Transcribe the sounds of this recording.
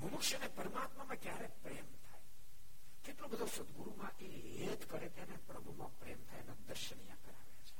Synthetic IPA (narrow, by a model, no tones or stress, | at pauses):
ɦəmukʃənepəɾmaːt̪mamãkjaɾepɾemt̪ʰaj | keʈlõbəd̪ʱosəd̪ɡuɾumãʔe | ɦet̪kəɾet̪janepɾəbʱumãpɾemt̪ʰajnẽd̪əɾʃənijã̰kəɾa̰ʋjat͡ʃʰe̥